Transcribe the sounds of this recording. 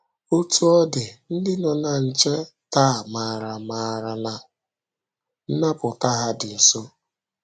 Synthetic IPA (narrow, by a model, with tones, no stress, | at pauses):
o˦tu˦ɔ˦dɪ˨n̩˦dɪ˦nɔ˨na˨n̩˨t͡ʃe˦ | ta˦˨ma˨ɾa˨maː˨ɾa˨na˨ | n̩˦na˦pʊ˨ta˦ɦa˦dɪ˨so˦